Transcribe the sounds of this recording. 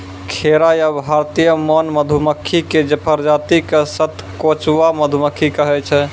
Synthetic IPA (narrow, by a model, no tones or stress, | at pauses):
kʰeɾajabʱaɾt̪ijəmɔnməd̪ʱuməkʰːiked͡ʒəpʰəɾd͡ʒat̪ikesət̪ʰkot͡ʃʋaməd̪ʱuməkʰːikəɦɛt͡ʃʰɛ